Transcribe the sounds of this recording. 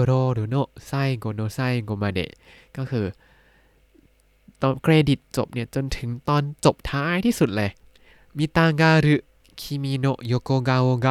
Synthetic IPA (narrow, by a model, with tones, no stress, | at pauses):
ɾoː˧ɾɯː˨˦no˧˩ʔsa˥˩jɡoː˧noː˧sa˥˩˨jɡo˧maː˧dḛ˨˩ʔ | kɔː˥˩kʰɯː˧ | t̪ɔː˧nkʰɾeː˧di˨˩t̪̚t͡ɕo˨˩p̚ni˥˩ɐt͡ɕo˧nt̪ʰɯ˩˦ŋt̪ɔː˧nt͡ɕo˨˩p̚t̪ʰaː˧˦ʔaː˥˩jt̪ʰiː˥˩su˨˩t̪̚lɤː˧ | miː˧t̪aː˧ŋɡaː˧ɾɯ˦ | kʰi˧miː˧no˧˩jo˧koː˧ɡaː˧woː˧ɡa˧